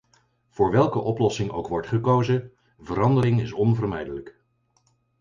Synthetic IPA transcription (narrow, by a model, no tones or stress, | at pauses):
v̥ʊːɹʋɛlˠkəʔɔplɔsɪŋo̰wkʋɔɹtχəkowzə | vəɾɑndəɾɪŋɪsɔnvərmɛjdələk